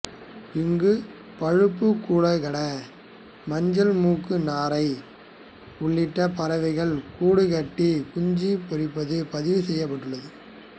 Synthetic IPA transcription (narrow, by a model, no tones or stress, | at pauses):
ɪŋɡɯ | pɐɻɯpːɯkːuːɭɐɣɐɭɐ | mɐɲd͡ʒɐlmuːkɯnaːɾɐɪ | ʊɭːɪʈːɐpɐɾɐʋɐɪɣɐɭkuːɽɯkɐʈːikʊɲd͡ʒipɪɾɪpːɐðɯpɐðɪʋɯsɛjːɐp̬ːɐʈːɯɭːɐðɯ